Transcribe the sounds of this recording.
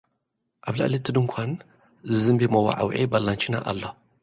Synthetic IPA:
ʔaβla̰ʔlit̪ʰːɨd̪ɨŋkʷʰan | zɨzɨmbemɐwa̰ʕa̰wʕibalːant͡ʃʰina̰ʔa̰lːo

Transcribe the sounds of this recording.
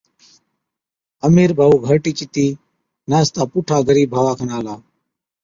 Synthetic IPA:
əmiːɾbʱaːuːɡʱəːʈiːt͡ʃɪt̪iː | naːst̪aːpuːʈʰaːɡəɾiːbʱaːʋaːkʰənaːlaː

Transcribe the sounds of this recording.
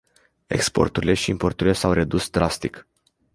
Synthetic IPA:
e̞̰kspo̞̰rt̪uɾile̞ʃiimpo̞rt̪uɾile̞sawre̞d̪usd̪ɾast̪ik

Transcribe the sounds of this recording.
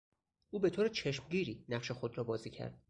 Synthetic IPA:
ʔuːbe̞t̪ʰoːɾet͡ʃʰe̞ʃmɟiːɾiːnæχʃe̞xod̪ɾɒːbɒːziːcʰæ̰ɾd̪̥

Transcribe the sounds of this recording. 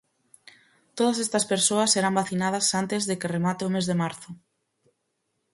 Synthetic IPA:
t̪oðɐsɛst̪ɐspeɾsoɐsːeɾambaθinað̞ɐsant̪ezðekɪremat̪ɪʊmezðemaɾθʊ

